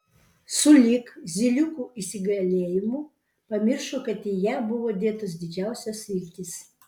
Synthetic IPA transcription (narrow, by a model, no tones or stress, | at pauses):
sʊlʲɪkzʲɪlʲʊkuːɪsʲɪɡɐlʲeːjɪmuː | pɐmʲɪɾʃokɐt̪ɪjæːbʊʋoːd̪ʲeːt̪ɐs̬d̪ʲɪd͡ʒʲæˑʊsʲɛsʲɪlʲt̪ʲɪs